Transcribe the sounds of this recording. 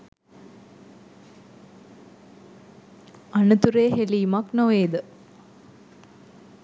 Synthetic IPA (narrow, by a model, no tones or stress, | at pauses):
ɐnut̪uɾeːɦeliːmaknoʋeːd̪ə